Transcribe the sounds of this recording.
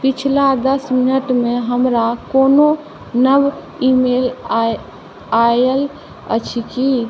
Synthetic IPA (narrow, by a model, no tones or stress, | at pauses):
pit͡ʃʰlad̪əsminəʈmeɦəmɾakono | nəb | imel | ajəl | ə̰t͡ʃʰiki